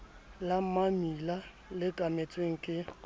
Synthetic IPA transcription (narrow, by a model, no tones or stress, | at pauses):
lam̩mamila | lɪkʼamet͡sʼweŋ̩kʼɪ